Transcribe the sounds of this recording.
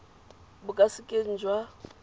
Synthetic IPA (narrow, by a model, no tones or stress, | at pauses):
bʊkʼasɪkʼen̩d͡ʒwa